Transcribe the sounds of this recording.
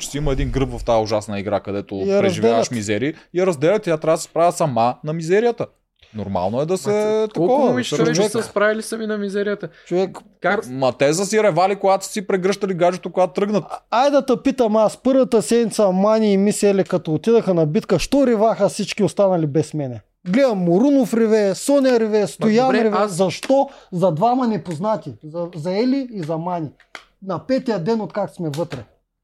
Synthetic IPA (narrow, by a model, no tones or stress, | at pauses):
t͡ʃɛ̥siimɐɛd̪inɡɾɤpvɐft̪ajʊʒasnɐiɡɾa̰kɐd̪ɛt̪oɐɾɐɛzʒivd̪ɛalɐʃmizɛɾiːijɐɾɐzd̪ɛlʲɐt̪it̪jat̪ɾʲavsɛ̥spɾavʲəsɐmanɐmizɛɾijət̪ə | noɾma̰lˠnoɛd̪ɐsɛt̪ɐɔvəmit͡ʃovɛsspɾavilisɐminɐmizɛɾijət̪ət͡ʃovɛk | mɐt̪ɛzɐsiɾɛvalikoɡat̪o̥sipɾɛɡɾɤʃt̪ɐliɡaʒɛt̪okoɡat̪ɾɤɡnɐt̪ajd̪ɐt̪ɐpit̪ɐmaspɤɾvɐt̪əsɛd̪nʲit̪sɐmaniːmisɛlɛkɐt̪ɔot̪id̪ɐxɐnɐbit̪kəʃt̪ɔɾivaxəfsit͡ʃkʲiost̪anɐlibɛsmɛnɛ | ɡlɛd̪ɐmːoɾunofɾivɛsɔnɛɐɾivɛst̪ojanɾɛvɛzɐʃt̪ɔzɐd̪vamɐnɛpoznat̪ʲizɐzɐɛliːzɐmanʲi | nɐpɛt̪ijəd̪ɛnot̪kaksmɛvɤt̪ɾɛ